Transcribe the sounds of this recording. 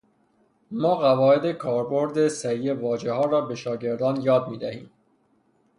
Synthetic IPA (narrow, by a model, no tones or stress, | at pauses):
mɒːɣævɒːed̪e̞kʰɒːɾboɾd̪esæɾijevɒːd͡ʒehɒːɾɒːbe̞ʃɒːɟe̞ɾd̪ɒːnjɒːd̪̚miːd̪æhiːm